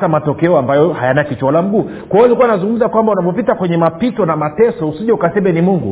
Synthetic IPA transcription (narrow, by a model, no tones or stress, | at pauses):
amatɔkɛɔambajɔhajanakit͡ʃɔalam̩ɡuː | kwajɔlikuanazuŋɡum̩zakwambaunavɔpitakwɛɲɛmapitɔnamatɛsɔhusiʄɛukasɛmɛnimuŋɡṵ